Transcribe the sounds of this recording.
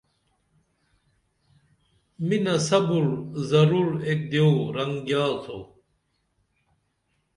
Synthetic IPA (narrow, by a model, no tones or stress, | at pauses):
minɐsɐbuɾzɐɾuɾek̚d̪ewɾɐŋɡjaːlt̪ʰo̰